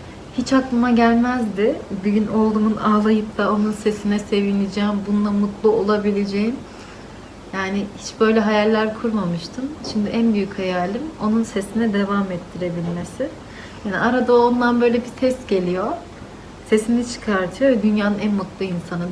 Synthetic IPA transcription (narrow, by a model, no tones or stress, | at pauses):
hit͡ʃaklˠɯmaɟælʲmæzd̪ɪbyɟyno̞lˠd̪umunaːlˠajɯp̚t̪ao̞nunse̞sinɛse̞vinʲid͡ʒɛːmbunlˠamut̪lˠuolˠabilʲed͡ʒejin | jaːnɪhit͡ʃbø̞jlʲɛɦajalʲːæɾkʰuɾmamɯʃt̪ʰɯmʃimd̪iʔænbyjychajaːlʲimo̞nunse̞sinɛd̪e̞vamɛt̪ʰːiɾe̞bilʲme̞sɪ | jaːnḭʔaɾad̪aoond̪anbø̞jlʲɛbit̪ʰɛst̪ɟe̞lʲijo̞ | se̞sinit͡ʃʰɯ̥kʰaɾt̪ʰɯjo̞vɛd̪ynjaːnɯnænmut̪lˠuinsanɯ